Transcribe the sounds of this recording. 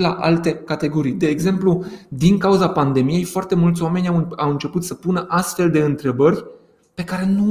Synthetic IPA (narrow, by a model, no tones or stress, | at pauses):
la̰ʔa̰lt̪e̞kat̪e̞ɡo̞ɾijd̪e̞ːɡze̞mplud̪iŋkauzapand̪e̞mije̞jfoart̪e̞mult̪sʲwame̞nʲawawɨnt͡ʃe̞put̪səpunəʔast̪fe̞ld̪e̞ɨnt̪ɾe̞bərʲ | pe̞kaɾe̞nu